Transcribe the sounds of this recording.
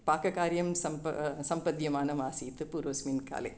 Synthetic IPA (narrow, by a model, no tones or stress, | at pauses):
paːkɐkaːɾjɐmsɐmpɐ̰sɐmpɐd̪jɐmaːnɐmaːsiːt̪ːɯpuːɾoːsminka̰ːlɐ̰